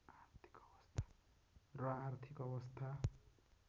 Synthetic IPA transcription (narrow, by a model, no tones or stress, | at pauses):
art̪ʰi̥kʌbʌst̪ʰḁ | rʌart̪ʰikʌbʌst̪ʰa